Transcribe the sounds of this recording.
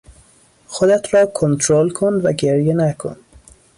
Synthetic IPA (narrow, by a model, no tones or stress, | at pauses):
xod̪æt̪ɾɔːkʰont̪ʰɾolkʰonvæɡeɾjenækʰo̰n